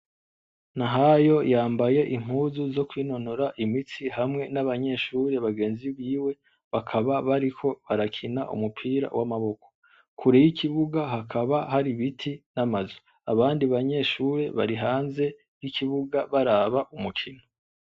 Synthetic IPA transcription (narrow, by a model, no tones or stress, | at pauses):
naɦajo̞jaːmbaje̞ʔiŋ̥uːzuzo̞kwiːno̞noɾaʔimit͡siɦamŋe̞naβaɲe̞ʃuːɾe̞βaɡe̞ːnziβiːwe̞ | βakʰaβaβaɾikʰo̞βaɾakʰinaʔṵmupʰiːɾa̰wamaβo̞kʰo̥ | kʰuɾejikʰiβuɡaɦakʰaβahaɾiβitʰinamazo | aβaːndiβaɲe̞ʃuːɾe̞βa̰ɾiɦaːnze̞ | ɡikʰiβuɡaβaɾaːβaʔumukʰino